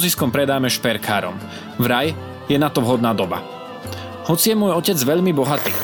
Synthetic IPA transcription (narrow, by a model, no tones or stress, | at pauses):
ziskɔmpɾɛd̪aːmɛʃpɛɾkʰa̰ːɾɔ̰m | vɾaj | jɛnat̪ɔʋɦɔd̪naːd̪ɔba̰ | hɔt͡sijɛmʊɔjɔcɛd͡zʋɛʎmibɔɦat̪ḭː